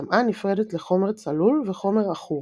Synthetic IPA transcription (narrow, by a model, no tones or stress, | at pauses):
amʔanifʁedet̪leχo̞meʁt͡salulveχo̞meʁaχu